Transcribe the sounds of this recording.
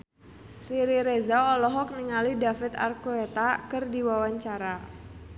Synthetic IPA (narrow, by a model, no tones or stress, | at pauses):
riɾiɾezaɔlɔɦɔk̚niŋalidafɪt̪a̰rkuet̪akərdiwawaɲt͡ʃaɾa